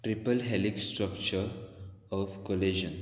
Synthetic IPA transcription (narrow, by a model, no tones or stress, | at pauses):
ʈɾipəlɦɛliksʈɾəkt͡ʃəɾɔfkoled͡ʒə̃n